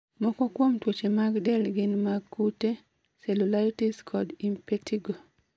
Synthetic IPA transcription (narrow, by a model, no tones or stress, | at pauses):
mɔkɔkwomtwot͡ʃemaɡdɛlɡɪnmaɡkute | selulaɾitiskʰɔdimpetʰiɡo